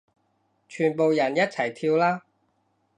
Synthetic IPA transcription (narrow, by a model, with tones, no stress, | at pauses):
t͡ʃʰyː˨˩npo˨wjɐ˨˩njɐ˥t̚t͡sʰɐ˨˩jt̪ʰiː˧wlaː˥